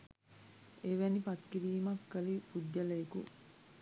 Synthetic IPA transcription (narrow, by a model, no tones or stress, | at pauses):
eʋænipɐt̪kiɾiːmɐkːɐlipuɟːɐlɐekṵ